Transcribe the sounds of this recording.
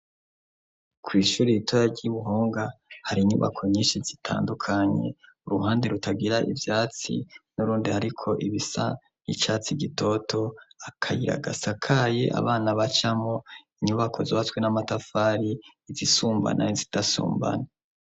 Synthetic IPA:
kwiːʃuːɾiitʰojaɟiβuɦo̞ːŋɡahaɾiɲṵβa̰kʰo̞ɲiːnʃizitʰa̰ːndukʰaɲe̞̰uɾuɦaːndeɾutʰaɡiɾaʔivjaːt͡sḭnuɾuːndihaɾikʰo̞ʔiβisa̰ | nḭt͡ʃat͡siɡitʰo̞tʰo̞akʰajiɾa̰ɡa̰sakʰajḛʔa̰βaːnaβat͡ʃamoiɲuβakʰo̞zoβat͡sɡwenamatafaːɾi | zisuːmba̰nʔanizitasṵːmba̰na

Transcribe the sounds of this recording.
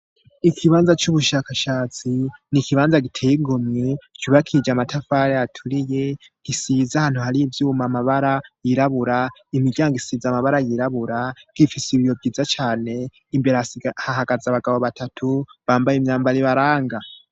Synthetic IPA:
ikʰiβaːnzat͡ʃuβuʃakaʃaːt͡sinikiβaːnzaɡitʰeːjiɡomet͡ʃuβakʰid͡ʒamatʰafaɾejatʰuɾije̞ | ɡ̥isizahaːn̥huhaɾivjuːmamaβaɾajiɾaβuɾaimiɟaːŋɡisiːzamaβaɾajiɾaβuɾaɡ̥ifisiβijovɡiːzat͡ʃaːne̞ | imbe̞ɾahaɦaɡazaβaɡaβo̞βatʰatʰuβaːmbajemɲaːmbaɾiβaɾaːŋɡa

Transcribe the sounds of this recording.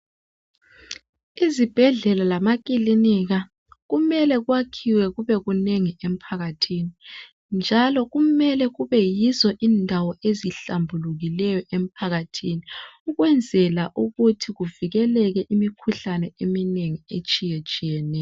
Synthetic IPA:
izib̥ʱɛɮɛlalamak̬ʼiliniɣa | ɣumɛlɛɣwakʰiwɛɣuβɛɣuneŋiem̩pʰaɣatʰini | nd͡ʒʱalɔɣumɛlɛɣuβɛjizɔʔiːndʱawɔʔeziɬambʱuluɣilɛjɔʔem̩pʰaɣatʰiniuɣwɛnd͡zʱɛlaʔuɣutʰiɣuviɣɛlɛɣɛʔimikʰuɬanɛemineŋiet͡ʃʼijet͡ʃʼijɛnɛːjɔ

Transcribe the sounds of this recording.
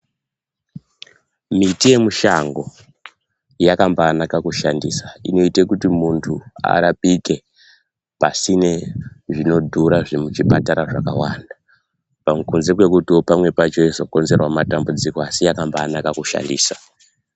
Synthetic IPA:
mitije̞muʃaŋɡo̞ | jakambaːnakakuʃandiːsaino̞itekutimuntʰua̰ɾapike̞ | pasineʐino̞dʱuɾaʐemut͡ʃipataɾaʐaka̰wanda | pamukunze̞kwe̞kutiopamwe̞pat͡ʃo̞ezoko̞nze̞rwamatambud͡ziko̞asijakambaːnakakuʃa̰ndḭːsa

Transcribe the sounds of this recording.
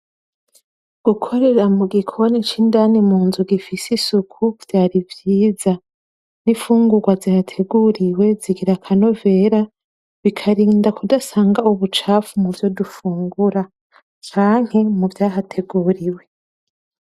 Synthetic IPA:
ɡ̥ukʰo̞ɾe̞ɾamuɡikʰo̞nit͡ʃiːndaːnimuːnzuɡifisisukʰuv̥jaːɾivjiːza | nifuːŋɡuɾɡwazihatʰe̞ɡuɾiwe̞ziɡiɾakʰano̞ve̞ːɾa | βikʰaɾiːndakudasaːŋɡauβut͡ʃaːfumuvjo̞dufuːŋɡuɾa | t͡ʃaːŋ̥hemuvjaːɦatʰe̞ɡuɾiwe̞

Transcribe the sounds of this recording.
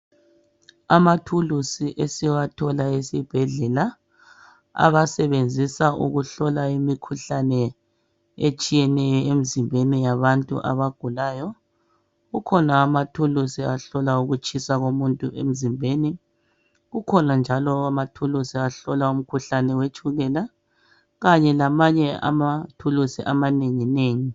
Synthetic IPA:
amatʰulusiʔesiwatʰɔlaesib̥ʱɛɮɛla | a̰βasɛβend͡zʱisaʔṵɣuɬɔlaimikʰuɬanɛ | et͡ʃʼijɛnɛjɔemizimbʱenijaβantʼṵʔa̰βaɡ̥ʱulaːjɔ | ɣukʰɔnaːmatʰulusiaɬɔlauɣut͡ʃʼisaɣomuntʼuʔem̩zimbʱeːni | ɣukʰɔnand͡ʒʱalɔamatʰulusiaɬɔlaum̩kʰuɬanɛwet͡ʃʼuɣɛla | ɣaɲɛlamaɲɛa̰matʰulusiʔamaneŋineːŋi

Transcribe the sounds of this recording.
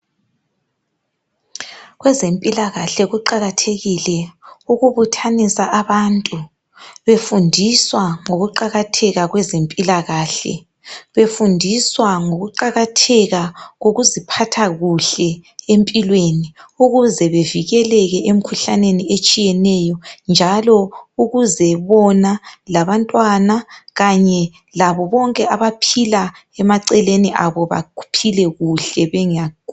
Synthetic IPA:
ɣwɛzempʼilaɣaɬɛɣuǃaɣatʰeɣilɛuɣuβutʰanisaʔaβantʼu | βefundʱiswaŋoɣuǃaɣatʰɛɣaɣwɛzempʼilaɣaːɬɛ̰ | βefundʱiswaŋoɣuǃaɣatʰɛɣaɣoɣuzipʰatʰaɣuɬɛempʼilweːniuɣuzɛβeviɣɛlɛɣɛʔem̩kʰuɬaneniet͡ʃʼijɛnɛjɔnd͡ʒʱalɔuɣuzɛβɔnalaβantʼwanaɣaɲɛ | laβɔβɔŋkʼɛaβapʰila | ɛmaǀɛleniʔaβɔβa̰kʰu̥pʰilɛɣuɬɛβɛŋa

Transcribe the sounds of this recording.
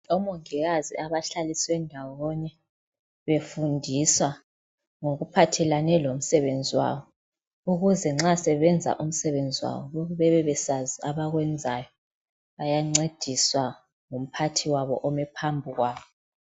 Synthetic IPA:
ɔmoŋiɣazḭaβaɬaliswɛndʱawɔɲɛ | βefundʱiswa | ŋoɣupʰatʰɛlanɛlom̩sɛβend͡zʱiwa̰βɔ | uɣuzɛŋ͡ǁasɛβɛnd͡zʱa̰ʔum̩sɛβend͡zʱiwa̰βɔβoɣuβɛβɛβɛsaziaβaɣwɛnd͡zʱajɔ | βajaŋ͡ǀed̥ʱiswa | ŋum̩pʰatʰiwaβɔ̰ʔɔmɛpʰambʱuɣwaːβɔ

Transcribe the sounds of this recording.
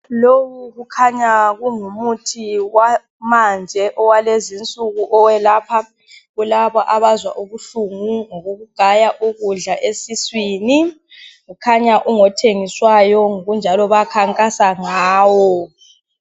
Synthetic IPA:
lowuɣukʰaɲaɣuŋumutʰiwa | mand͡ʒʱɛʔɔwalezint͡sʼuɣuʔɔwɛlapʰa | ɣulaβɔʔaβazwa̰ʔuβuɬuŋuŋɔɣoɣuɡ̥ʱajaʔuɣuɮaʔesiswiːni | ɣukʰaɲaʔuŋɔtʰeŋiswajɔŋoɣund͡ʒʱalɔβakʰaŋkʼasaŋaːwɔ

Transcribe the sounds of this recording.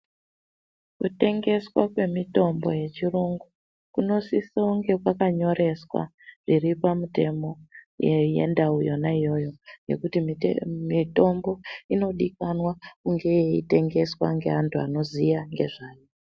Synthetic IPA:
kute̞ŋɡe̞swa̰kwe̞mito̞mbo̞je̞t͡ʃiruŋɡu | kuno̞sisauŋɡe̞kwakaɲo̞ɾʔe̞swa̰ʐ̥iripamute̞mo̞ | jḛndaujo̞naijo̞jo̞je̞̰kutimito̞mbo̞ino̞ɗikanwakuŋɡe̞jeite̞ŋɡe̞swa̰ŋɡe̞antʰua̰no̞zijaŋɡe̞ʐaːjo

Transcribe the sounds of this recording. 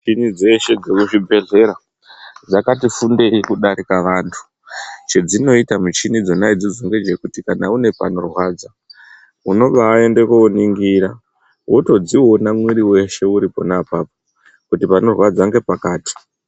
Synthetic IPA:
t͡ʃinid͡ze̞ʃe̞d͡zekuʐibʱe̞ɮe̞ɾa | d͡zakatifunde̞ikuɗaɾikaʋantʰu̥ | t͡ʃe̞d͡zino̞itamut͡ʃinid͡zo̞naid͡zid͡zo̞ŋɡe̞d͡ʒe̞kutikanaune̞pano̞rwaːd͡za | uno̞ɓaːe̞nde̞kooniŋɡiɾa | wʔoto̞d͡ziwonamwiɾiwe̞ʃe̞uɾipo̞̰napaːpo | kutipano̞rwad͡zaŋɡe̞pakaːti̥

